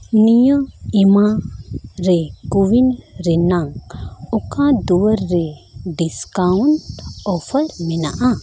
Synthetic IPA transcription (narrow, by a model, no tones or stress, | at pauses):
nijəima | ɾɛkuwinɾɛnaŋukãd̪uəɾːɛɖiskawɳʈɔpʰəlminaʔa